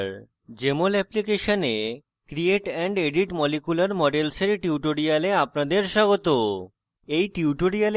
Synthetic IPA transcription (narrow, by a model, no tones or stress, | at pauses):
ɾ | d͡ʑemolɛplikeʃone | kɾieʈɛɳɖeɖiʈmɔlikulaɾmɔɖelseɾʈiuʈoɽijaleapnad̪eɾʃaɡot̪o | ejʈiuʈoɽial